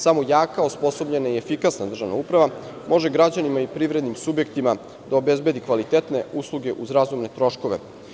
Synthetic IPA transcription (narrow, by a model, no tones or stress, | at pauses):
samo̞jaːkaospo̞so̞bʎe̞naie̞fikasnad̪r̩ʒaʋna̰upɾaʋa | mo̞ʒe̞ɡɾad͡ʑanimaipɾivɾe̞d̪nimsubje̞kt̪ima | d̪aobe̞zbe̞d̪ikʋalit̪et̪ne̞uslˠuɡe̞ʔuzɾazumne̞t̪ɾo̞ʃko̞ʋe̞̰